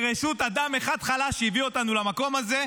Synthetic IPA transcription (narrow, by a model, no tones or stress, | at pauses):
ʁeʃut̪ad̪ameχad̪χalaʃejivio̞t̪anulamako̞maze̞